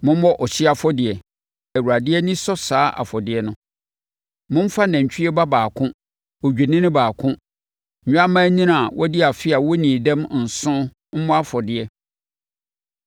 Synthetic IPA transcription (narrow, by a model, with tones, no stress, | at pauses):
mʊ̃˦m˦mɔ˦ʔɔ˨ɕi˦a˨fɔ˦dɪ˨ɛ˨ | æ˨wu˨ɾa˨dɪ˦ɛ˦nɪ̃˦sɔ˦saː˦ʔa̰˨fɔ˨dɪ˦ɛ˦nʊ̃˦ | mʊ̃˦m̩˦fa˦nɛ̃˨ɲ˨t͡ɕʰᶣi˦ɛ˦ba˦baː˨kʰʊ̃˦ | ɔ˨d͡ʑᶣi˨nɪ̃˦nɪ̃˦baː˨kʰʊ̃˦˨ | ɲ̃ᶣ˦a˦mã˦nĩ˦n˨a˨wʔɔ˦di˦a˨fɪ˦a˨wɔ˦nĩ˨dɛ̃˦mn̩˨sʊ̃˦ | m̩˦mɔ̃˦a˦fɔ˨dɪ˨ɛ˨